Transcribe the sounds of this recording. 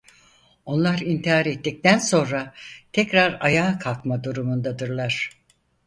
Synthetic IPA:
o̞nlˠaɾint̪ʰiɦaɾet̪ːic̚t̪ænso̞nɾat̪ʰɛcɾaɾajaːkʰalˠkmad̪uɾumund̪ad̪ɯɾlˠaɾ̥

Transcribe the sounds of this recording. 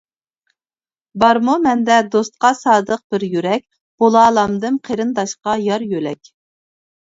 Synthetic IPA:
bɑɾmumɛnd̪ɛd̪ost̪̚qɑsɑːd̪əq̚b̥ɪɾjyɾɛk̚ʲ | b̥olˠɑːlˠɑmd̪ɨmqʰeɾɨnd̪ɑʃqɑjɑɾjølɛkʲ

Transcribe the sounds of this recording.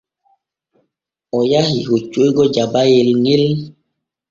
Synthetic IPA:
ɔjahihot͡ʃojɡɔd͡ʒabajelŋel

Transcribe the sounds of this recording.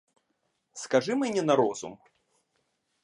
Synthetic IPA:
skaʐɨmɨnʲɛnaɾɔzṵm

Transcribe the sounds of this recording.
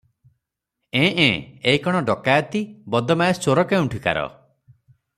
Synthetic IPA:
ẽʔẽeikɔɽ̃ɔɖɔkajɔt̪ibɔd̪ɔmajest͡ʃoɾɔkeũʈʰika̰ɾɔ̰

